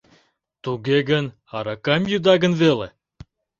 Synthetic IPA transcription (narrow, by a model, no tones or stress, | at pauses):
t̪uɡeɡən | ɑɾɑkɑmjud̪ɑɡə̆nvele